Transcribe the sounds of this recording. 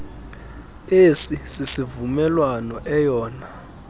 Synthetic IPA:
esisisivumɛlwanɔʔɛjɔːna

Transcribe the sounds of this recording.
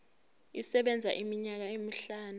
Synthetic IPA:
isɛɓɛnd͡zʱa̰ʔimiɲak̬aemiɬaːnu

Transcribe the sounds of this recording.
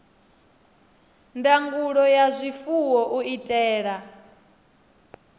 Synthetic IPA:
ndaŋɡuɺɔjazʷifuwɔʔuitʼɛːɺa

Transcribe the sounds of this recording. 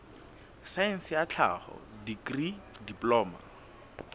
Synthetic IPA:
saɛn̩sɪjat͡ɬʰa̰χɔ̰dikri | diplɔːma̰

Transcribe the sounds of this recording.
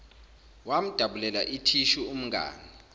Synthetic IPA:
wam̩d̥ʱaɓulɛlaʔitʰiʃuum̩ŋɡa̰ːni

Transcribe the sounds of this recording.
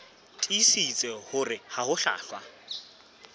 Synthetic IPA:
tʼisit͡sʼɛhʊrɪhahʊɬa̰ːɬwa̰

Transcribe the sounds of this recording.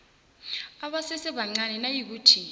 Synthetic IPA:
aɓasɛsɛɓaŋ͡ǀanɛnajik̬uːtʰi

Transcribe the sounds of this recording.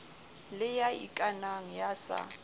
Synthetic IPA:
lɪjaḭkʼanaŋ̩jasa̰

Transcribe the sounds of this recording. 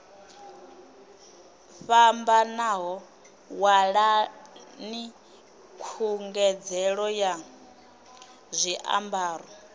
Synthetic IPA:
ɸambanaɦɔ | waɺa | ni | kʰuŋɡɛd͡zɛɺɔja | zʷiʔa̰mbaːɾɔ

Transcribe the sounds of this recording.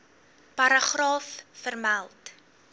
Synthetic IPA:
pɐɾəχrɑːfːərmælˠt

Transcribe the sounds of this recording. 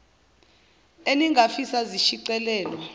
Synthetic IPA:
eniŋɡʱafisaziʃiǀɛlɛːlɔ

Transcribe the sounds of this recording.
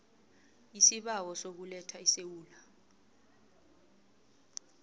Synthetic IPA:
isiɓawɔsok̬ulɛtʰaisewuːla

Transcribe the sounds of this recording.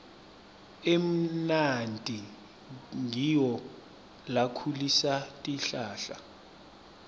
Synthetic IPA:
em̩nantʼi | ŋiwɔ | lakʰulisatʼiɬaːɬa̰

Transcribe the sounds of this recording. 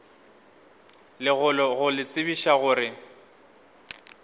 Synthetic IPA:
lɪɣʊlɔɣʊlɪt͡sʼɪbiʃaɣʊːɾɪ

